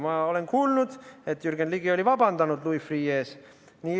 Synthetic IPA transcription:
mɑole̞nkuːlnud̪̥et̪ːjyrɡ̥enliɡ̥io̞lʲivɑbɑnd̪ɑnud̪luifriːeːs | niː

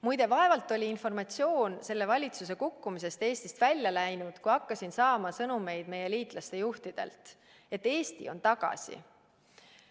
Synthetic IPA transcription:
mujd̪e̞vɑe̞vɑlt̪ːˑo̞lʲiinfo̞rmɑt̪sio̞ːnse̞lːe̞vɑlʲit̪sus̬e̞kukːumis̬e̞st̪e̞ːsʲt̪ist̪vælʲːjɑlæjnud̪̥kujɑkːɑsinsɑːmɑsɤnume̞jd̪̥me̞je̞liːt̪ˑlɑst̪e̞juht̪id̪̥e̞̰lt̪ˑ | e̞t̪ːe̞ːst̪ḭo̞nt̪ɑɡ̥ɑ̰sḭ

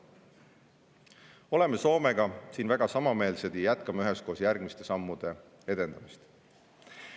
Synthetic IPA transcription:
o̞le̞meso̞ːme̞ɡ̥ɑsiːnvæɡ̥ɑsɑmɑme̞ːlsed̪̥ijæt̪kɑmɑyɦe̞sko̞ːsjærɡ̥mist̪e̞sɑmːud̪̥e̞ | e̞d̪̥e̞nd̪̥ɑmist̪

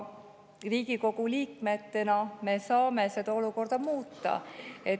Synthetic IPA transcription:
riːɡ̥iko̞ɡ̥uliːkme̞t̪ːe̞nɑme̞sɑːme̞se̞d̪ɑo̞luko̞rd̪̥ɑmuːt̪ːɑ̰e̞

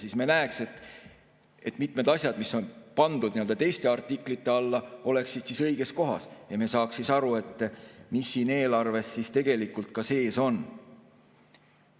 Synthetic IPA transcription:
sismenæekse̞t̪ːˑ | e̞t̪ːˑmit̪ˑme̞d̪ɑsʲjɑd̪miso̞npɑnd̪ud̪niøld̪ɑt̪e̞jst̪e̞ɑrt̪ːˑikːˑlit̪ːe̞ɑlːɑo̞le̞kssid̪̥sisɤ̞jɡ̥e̞sko̞ɦɑ̰sjɑmeːsɑːkssisɑɾue̞t̪ːˑmisːiːne̞ːlɑrve̞sːist̪e̞ɡ̥e̞likːˑult̪̚kɑse̞ːso̞n

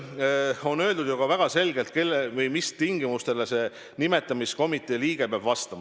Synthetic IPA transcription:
o̞nø̞ːld̪ud̪̥juɡ̥ɑvæɡ̥ɑse̞lɡe̞lt̪̚ke̞lːevɯjmist̪iŋɡ̥imust̪e̞lese̞ | nime̞t̪ːˑɑmisko̞mit̪ːˑe̞liːɡ̥epeɑb̥vɑst̪ɑmɑ

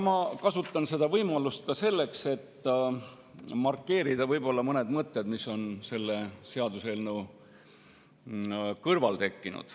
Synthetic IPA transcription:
mɑkɑsut̪ːˑɑnse̞d̪̥ɑvɤjmɑlust̪kɑse̞lːe̞kse̞t̪ː | mɑrkːe̞ːɾid̪̥ɑvɤjbo̞lːɑmɤne̞d̪mɤt̪ːed̪̥miso̞nse̞lːe̞se̞ɑd̪uselnu | kɤrvɑlt̪e̞kːinṵd̪̥

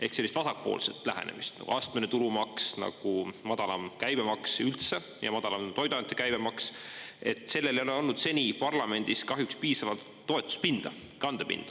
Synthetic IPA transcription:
e̞hkse̞lːist̪vɑsɑk̚po̞̰ːlset̪ːˑlæɦḛnemist̪nɑ̰ɡ̥ṵʔɑːst̪menet̪ulumɑksnɑ̰ɡ̥umɑd̪ɑlɑmkæjbemɑksylt̪se̞ | jɑ̰mɑd̪̥ɑlɑmt̪o̞jd̪ɑnt̪ːˑekæjb̥emɑkse̞t̪ːˑse̞lːe̞lejo̞le̞o̞lnud̪̥se̞nʲipɑrlɑme̞nʲd̪̥iskɑɦjukspiːsɑvɑlt̪ːo̞et̪ːˑu̥st̪̚pind̪̥ɑ | kɑnd̪̥epḭnd̪̥ɑ

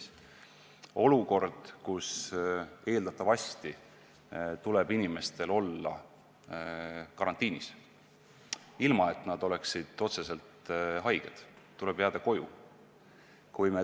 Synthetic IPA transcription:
o̞luko̞rd̪̥kus | e̞ːld̪̥ɑt̪ːˑɑvɑst̪i | t̪ule̞binime̞st̪e̞lo̞lːɑ̰ | kɑɾɑnt̪ːˑiːnis | ilmɑe̞t̪ːˑnɑd̪̥o̞le̞ksid̪̥o̞t̪se̞se̞lt̪ɦɑjɡ̥ed̪̥ | t̪ːuleb̥heɑd̪ɑko̞jṵ | kujme

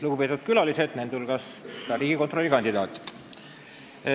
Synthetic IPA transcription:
luɡupe̞t̪ːud̪̥̚kylɑlise̞d̪̥nend̪ulɡɑst̪ɑɾiːɡiko̞nt̪ro̞lːikɑnʲd̪id̪ɑːt̪ːˑ

